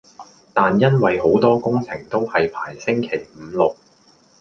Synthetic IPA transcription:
t̪aː˨njɐ˥nwɐ˨jho˨˥wt̪ɔː˥kʊ˥ŋt͡sʰɪ˨˩ŋt̪o˥whɐ˨jpʰaː˨˩jsɪ˥ŋkʰe˨˩jm̩ː˨˧˦lʊ˨k̚

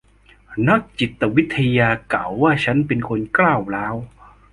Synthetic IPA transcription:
na˦˥k̚t͡ɕi˨˩t̪ːə˨˧wi˦˥t̪ʰhi˧ja˧ka˨˩wa˧ɕa˧˥npi˧nko˧nkla˧˩˨wlaː˧w

